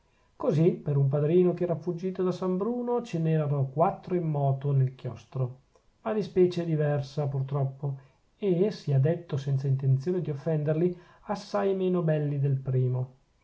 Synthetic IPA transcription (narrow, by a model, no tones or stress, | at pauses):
kozipeɾump̬ad̪ɾiːnokeɛːɾafud͡ʒːiːt̪od̪asambɾuːnot͡ʃenɛːɾanokwat̪ːɾoimːɔːt̪onelk̟jɔst̪ɾo | mad̪ispɛːt͡ʃed̪ivɛrsapurt̪ɾɔpːo | esiad̪et̪ːosɛnt̪saint̪ent̪sjoːned̪iofːɛnd̪erli | asːajmeːnobɛlːid̪elpɾiːmo